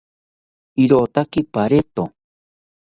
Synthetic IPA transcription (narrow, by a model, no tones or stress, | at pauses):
iɾot̪akɪpaɾet̪o